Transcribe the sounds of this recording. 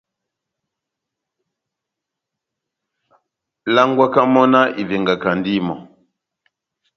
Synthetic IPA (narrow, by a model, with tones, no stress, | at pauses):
la˦ŋɡwa˦ka˦mɔ˦na˦ʔi˨vɛ˨ŋɡa˨ka˨ndi˦mɔ˨